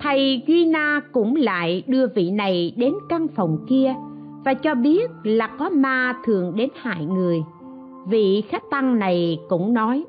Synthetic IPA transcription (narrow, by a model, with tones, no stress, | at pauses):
t̪ʰa˧jɣwi˧naː˧kʊ̰˧˥ŋ͡mla̰ː˧˨jɗɨ˧əvḭ˧˨na˨˩jɗe˨˦nka˧ŋfə˨˩wŋ͡mki˧ə | vaː˨˩t͡ɕɔ˧ɓi˦˥ət̚laː˨˩kɔ˨˦maː˧t̪ʰɨ˨˩əŋɗe˨˦nha̰ː˧˨jŋɨ˨˩əj | vḭ˧˨xa˦˥k̚t̪a˧ŋna˨˩jkʊ̰˧˥ŋ͡mnɔ˨˦j